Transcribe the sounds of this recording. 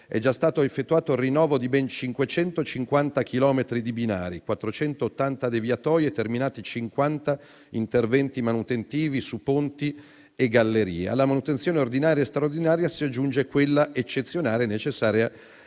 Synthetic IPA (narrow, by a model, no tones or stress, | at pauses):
ɛ̰d͡ʒast̪aːt̪oefːet̪ːuaːt̪orinːɔːvod̪ibɛnt͡ʃiŋkwet͡ʃɛnt̪ot͡ʃiŋkwant̪ak̟ilɔːmet̪ɾid̪ibina̰ːɾikwat̪ːɾot͡ʃɛnt̪oːt̪ːant̪ad̪evjat̪ɔːɾjet̪ːerminaːt̪it͡ʃiŋkwant̪a | int̪ervɛnt̪imanut̪ent̪iːvisupont̪i | eɡːalːeɾḭːea̰lːamanut̪ent̪sjoːneord̪inaːɾjaest̪ɾaord̪inaːɾjasiad͡ʒːund͡ʒekwelːaʔet͡ʃːet̪sːjonaːɾenet͡ʃesːaːɾja